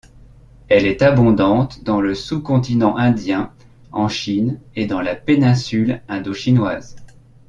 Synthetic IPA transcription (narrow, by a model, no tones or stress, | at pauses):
ɛlɛt̪abɔ̃d̪ɑ̃t̪d̪ɑ̃ləsukɔ̃t̪inɑ̃ʔɛ̃d̪jɛ̃ | ɑ̃ʃined̪ɑ̃lapenɛ̃sylɛ̃d̪oʃinwaːz